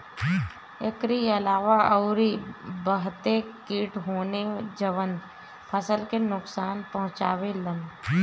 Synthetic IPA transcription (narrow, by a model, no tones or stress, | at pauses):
ɪkɾiɐlaːʋaəʊɾibəɦt̪ekiːʈɦoːned͡ʒəʋən | pʰəsəlkenʊksaːnpɐɦʊ̃t͡ʃa̰ːwelən